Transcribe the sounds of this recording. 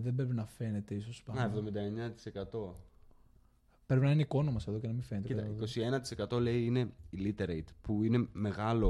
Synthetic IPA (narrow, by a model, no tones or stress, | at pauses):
ðe̞bɾe̞p̬inɐfe̞ne̞t̪e̞isospɐɐevðo̞mind̪ɐeɲɐt̪i̥se̞kɐt̪o̞ | pɾepinɐineiko̞nomɐseðo̞ce̞nɐmiɱfe̞nt̪ik̪ɐikosienɐt̪i̥se̞kɐt̪o̞le̞iine̞ilit̪eɾejt̪puine̞me̞ɣɐlo̞